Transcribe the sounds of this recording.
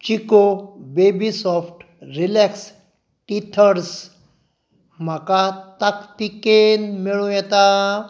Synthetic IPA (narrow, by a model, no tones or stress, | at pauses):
t͡ɕikobebisɔfʈ | ɾilɛks | ʈit̪ʰəɾs | m̤akat̪akt̪ikenmiɭũjɛt̪a